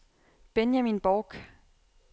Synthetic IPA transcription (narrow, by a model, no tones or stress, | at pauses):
b̥enjæminb̥ɔːɡ̥